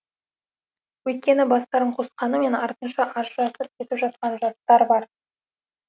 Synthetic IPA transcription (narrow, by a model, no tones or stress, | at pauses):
wɵjt̪̚kʲe̞nɪbɑst̪ɑɾəɴqʰo̞sqɑnəme̞nɑɾt̪ənʃɑʔɑʒʒɑsəp̚kʲʰe̞t̪ɪpʒɑt̪̚qɑnʒɑst̪ɑɾbɑɾ